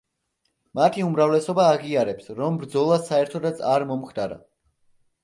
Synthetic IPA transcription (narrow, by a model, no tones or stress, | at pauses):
mat̪ʰiumɾavlɛsɔbaːʁiaɾɛpsɾɔmbɾd̪zɔlˠasaɛɾt̪ʰɔd̪at̪sʰaɾmɔmχd̪aɾa̰